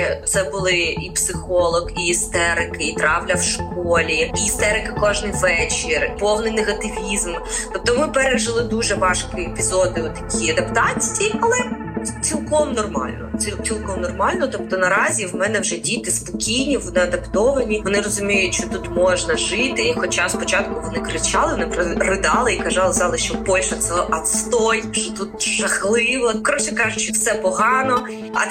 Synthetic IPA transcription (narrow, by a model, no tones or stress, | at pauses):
t̪sɛbʊlˠɪipsɪxɔlˠɔɡiːst̪ɛɾɪkɪit̪ɾɑwlʲɐwʃkɔlʲiiːst̪ɛɾɪkɪkɔʒnɪjʋɛt͡ʃɪrpɔwnɪjneɣɐt̪ɪʋʲizmt̪ɔp̚t̪ɔmɪpɛɾeʒɐlˠɪd̪uʒɛʋɑʃkɪepʲizɔd̪ɪɔt̪ːɐkʲʰiɐd̪ɐpt̪ɑt͡sʲiijɐlˠɛ | t͡sʲilˠkɔmnɔrmɑ̰lʲnɔ̰t͡sʲit͡sʲilˠkɔmnɔrmɑlʲnɔt̪ɔpt̪ɔnɐɾɑzʲiwmɛnɛwʒɛdʲit̪ɪspɔkʲijnʲiʋɔnɪɐd̪ɐpt̪ɔʋɐnʲiʋɔnɪɾɔzʊmʲijʊtʲt͡ʃɔt̪ut̪mɔʒnɐʒɪt̪ɪixɔt͡ʃaspɔt͡ʃɑt̪kʊʋɔnɪkɾɪt͡ʃɑlˠɪʋɔnɪpɾɪrɪd̪ɑlˠɪikɐzɑlˠɪzɑlˠɪʃt͡ʃɔbɔlʲʃɐt̪sɛɔʔɐt̪st̪ɔjt͡ʃɔt̪ut̪̚ʒɐxlˠɪʋɔkɾɔʃʲɛkɑʒʊt͡ʃɔwsɛpɔɦɑnɔ | ɐ̰